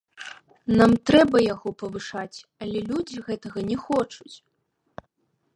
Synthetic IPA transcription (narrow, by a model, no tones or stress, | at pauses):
namt̪ɾɛbɐjaɣɔpɐvɨʂat͡sʲɐlʲɛlʲud͡zʲiɣɛt̪ɐɣɐnʲɛxɔt͡ʂut͡sʲ